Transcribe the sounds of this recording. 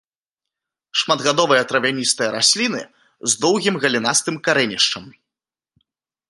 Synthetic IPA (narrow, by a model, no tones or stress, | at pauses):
ʂmad̪ɣad̪ɔvɐjɐt̪ɾɐvʲanʲist̪ɐjɐɾasʲlʲinɨ̰ | zd̪ɔwɣʲimɣɐlʲinast̪ɨmkaɾɛnʲiʂt͡ʂɐm